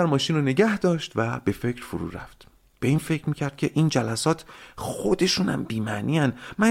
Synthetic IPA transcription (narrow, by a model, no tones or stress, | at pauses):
æɾmɒːʃiːnone̞ɟæhd̪ɒːʃt̪væb̥e̞fe̞cʰɾ̥foɾṵːɾæ̰ft̪ | b̥e̞iːnfe̞cʰɾmiːcʰæɾd̪̚cʰe̞ʔiːnd͡ʒælæsɒːt̪ʰxod̪e̞ʃuːnæ̰mbiːmænʔiːænmæ